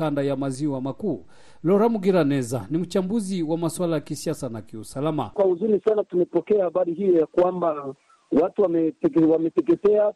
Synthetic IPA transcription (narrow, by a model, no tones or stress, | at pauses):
andajamaziwamakuː | lɔɾamuɡiɾanɛza̰nim̩t͡ʃambuziwamaswalajakisiasanakiusalama̰kwauzunisanatumɛpɔkɛahaɓaɾihijɔjakwamba | watuwamɛwamɛtɛkɛtɛa